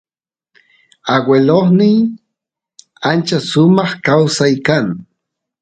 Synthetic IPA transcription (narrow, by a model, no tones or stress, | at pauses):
aɡweloχnɪj | ant͡ʃasʊmɑχkawsajkaŋ